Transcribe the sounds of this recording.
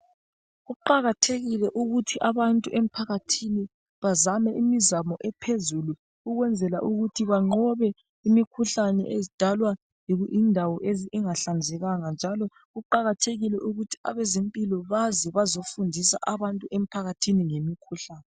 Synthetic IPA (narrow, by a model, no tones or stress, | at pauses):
ɣuǃaɣatʰeɣilɛʔuɣutʰiʔaβantʼuʔem̩pʰaɣatʰini | βazamɛimizamɔʔɛpʰezulu | uɣwɛnd͡zʱɛlaʔuɣutʰiβaŋ͡ǃɔβɛ | imikʰuɬanɛ̰ʔezid̥ʱalwa | iɣuʔindʱawɔʔeziʔːŋaɬand͡zʱɛɣaŋand͡ʒʱalɔ | ɣuǃaɣatʰeɣilɛʔuɣutʰi̥a̰βɛzempʼilɔβazɛβazofundʱisa̰ʔaβantʼuem̩pʰaɣatʰiniŋemikʰuɬaːnɛ